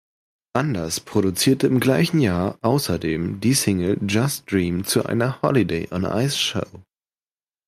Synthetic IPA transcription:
ʔandɐspʁ̥oɾut͡siːɐtəɪmɡlaɪçn̩jaːɐʔaʊsɐdeːmdiːsɪŋl̩d͡ʒasd̥ʁiːmt͡suʔa̰ɪnɐhɔ̰lideɪʔɔnʔa̰ɪsʃo̰ʊ

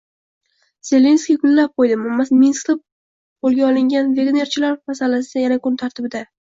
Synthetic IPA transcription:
z̥e̞le̞nskʲijkʰʊnlap̚qojd̪ɪmamːasminsklˠɪp̚ | bolˠɡʲaɒlˠɪŋɡʲanve̞ɡne̞ɾt͡ʃʰɪlaɾmasalasɪajanakʰʊnt̪ʰaɾt̪ʰɪbɪd̪a

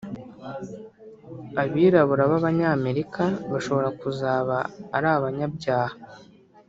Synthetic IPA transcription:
aβiːɾaβuɾaβaβaɲaːme̞ɾikaβaʃo̞βo̞ɾakuzaːβaːɾaːβaɲabɟaːha

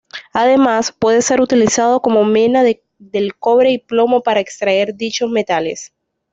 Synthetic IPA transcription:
aðe̞maspwe̞ðe̞se̞ɾut̪ilisað̞o̞ko̞mo̞menað | ðe̞lko̞βɾe̞iplo̞mo̞paɾaekst̪ɾae̞ɾðit͡ʃo̞zme̞t̪ale̞̰s

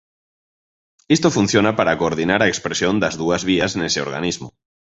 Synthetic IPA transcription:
est̪ofunθjonapaɾakoːɾðinaɾaekspɾesjond̪azðuazβiazneseoɾɣa̰nizmo

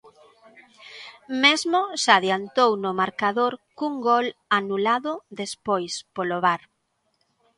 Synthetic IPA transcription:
mezmʊsaðjant̪ownʊmaɾkaðoɾkuŋɡɔlanulaðʊðespojspoloβaɾ

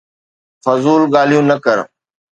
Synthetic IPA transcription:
fɐzuːlɠaːl̤ijũnɐkəɾ

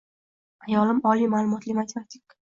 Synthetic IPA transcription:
ajɒlɪmɒlimalˠʊmɒt̪lɪmat̪ʰʲemat̪ʰi̥k

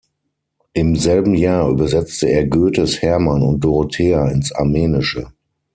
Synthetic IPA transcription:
ʔɪmzɛlbm̩jaːɐʔyːbɐzɛt͡stəeːɐɡøːtəshɛɐmanʊ̰nt̚d̥oʁotʰɛːaɪnsa̰ɐmeːnɪʃə̰

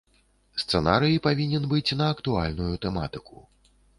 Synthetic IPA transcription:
st̪sɛnaɾɨjipavʲinʲɛnbɨt͡sʲnɐːkt̪ualʲnujut̪ɛma̰t̪ɨkṵ

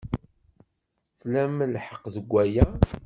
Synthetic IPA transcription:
θlæməlħə̥qːðəɡʷːæjæ

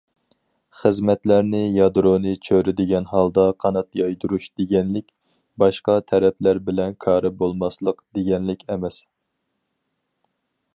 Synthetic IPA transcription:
χəzmɛt̪læɾnɪjɑd̪ɾonɨt͡ʃʰøɾɪd̪ɪɡʲɛnɦɑlˠd̪ɑqʰɑnɑt̪jɑjd̪uɾuʃd̪̥eɡʲɛnlɪkʲ | bɑʃqɑt̪ʰɛɾɛplæɾbɪlɛnkʰɑːɾɨbolˠmɑslˠəqd̪̥eɡʲɛnlɪkʲɛmɛs

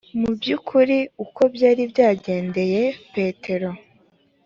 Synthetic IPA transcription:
mubjukʰuɾiuko̞bjaːɾibjaːɟe̞ːnde̞je̞pe̞ːtʰe̞ɾo̞

